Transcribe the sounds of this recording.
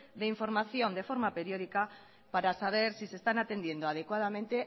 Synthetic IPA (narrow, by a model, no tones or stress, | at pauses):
d̪eiɱfo̞ɾmaθjo̞nd̪efo̞ɾmape̞ɾjo̞ð̞ika | paɾasaβ̞e̞ɾsise̞st̪anat̪e̞nd̪je̞nd̪oaðekwaðamẽnt̪e̞